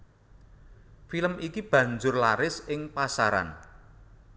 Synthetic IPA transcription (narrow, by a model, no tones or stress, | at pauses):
filəmʔikib̥ä̤ɲd͡ʒʊrlaɾɪsɪŋpasaɾa̰n